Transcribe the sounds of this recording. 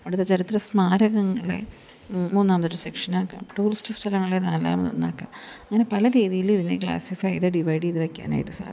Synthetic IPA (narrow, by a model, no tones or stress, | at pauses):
ɐɽut̪ːet͡ɕɐɾit̪rɐsmaːɾɐɣɐŋːɐɭḛ | muːnːaːmɐt̪ːoɾumsekʂɐnaːkːa̰ːmʈuːristʈɨsʈʰɐlɐŋːɐɭenaːlːa̰ːm̰no̰nːa̰ːkːa̰ːmɐŋːɐnepɐlɐɾiːðijiliðinekɭa̰ːsifɐjiðeɖiʋɐjɽiiðɨʋekʲːa̰ːna̰ːjiʈːɨsa̰ː